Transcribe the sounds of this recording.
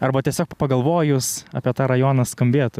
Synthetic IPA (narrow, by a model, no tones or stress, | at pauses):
ɐrbɐt̪ʲiɛsʲoːkpɐɡɐlˠʋoːjʊsɐ̰ːpʲɛt̪ɑːɾɐjoːnɐskɐmʲbʲeːt̪ʊ